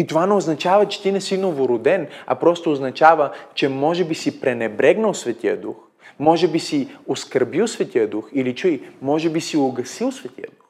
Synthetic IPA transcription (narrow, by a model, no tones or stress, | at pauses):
it̪ovanɛoznɐt͡ʃavɐt͡ʃɛ̥t̪inɛsinovoɾʊd̪ɛnɐ̰pɾɔst̪oːznɐt͡ʃavət͡ʃɛmɔʒɛbisipɾɛnɛbɾɛɡnəlˠsvɛt̪ijə̰d̪ux | mɔʒɛbisioskəɾbilˠsvɛt̪iəd̪uxilit͡ʃuimɔʒɛbisioɡɐsilˠsvɛt̪ḭjə̰d̪ux